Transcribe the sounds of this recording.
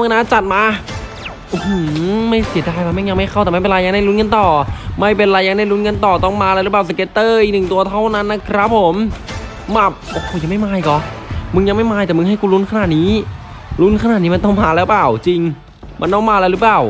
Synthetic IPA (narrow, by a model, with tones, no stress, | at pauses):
mː˧naː˧˥t͡ɕa˨˩t̪̚maː˧ | ʔo˧huː˧˩ma˥˩jsi˨˩˦daː˧˩ja˧˩ma˧˥˩ja˧ŋma˥˩jʰa˥˩wt̪ɛ˨˩m˧˥˩pe˧nɾaː˧ja˧ŋnda˥˩jlu˦˥nka˧nt̪ɔː˨˩ma˥˩jpe˧nɾaː˧jːa˧ŋdaː˥˩jlu˦˥nka˧nt̪ɔː˨˩t̪ɔ˥˩ŋmaː˧lɛ˧˥ɾɯ˦˥plaː˨˩s̬a˧ke˦˧˥t̪ːɤː˧˩i˧nɯ˨˩ŋt̪u˧ɐt̪ʰa˥˩wna˦˥nːa˦˧˩kʰɾa˦˥p̚ʰːo˩˦m | ma˧˩p̚ʔo˧hoː˧˩ja˧ŋma˥˩jmaː˧jkɔ˨˩mɯ˧ŋja˧ŋma˥˩jmaː˧jt̪ɛː˨˩mɯ˧ŋha˥˩jkuː˧lu˦˥nkʰa˧naː˨˩t̪̚niː˦˥ | lu˦˥nkʰa˧naː˨˩niː˦˥ma˧nt̪ɔ˥˩ŋmaː˧lɛː˦˥wplaː˨˩wt͡ɕi˧ŋ | ma̰˧nt̪ɔ˥˩ŋmaː˧la˧wɾɯː˧˦˥plaː˨˩w